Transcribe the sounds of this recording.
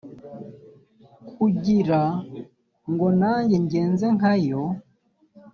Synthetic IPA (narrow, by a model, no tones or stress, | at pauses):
kʰuɟiɾa | ŋɡonaːɲɟeɲɟeːnzeŋajo